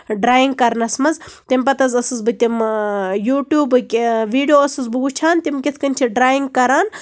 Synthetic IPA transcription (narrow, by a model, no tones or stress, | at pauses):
ɖɾaːjiŋɡkɐɾnɐsmɐzt̪imʲpɐt̪ɐzɐsɨzbɨt̪ʲimjuːʈjuːbɨkʲʋiːɖijoːɐsɨzbɨut͡ʃʰaːnt̪ʲimkʲet̪ʰkɐnʲt͡ʃʰiɖɾaːjiŋɡkɐɾaːn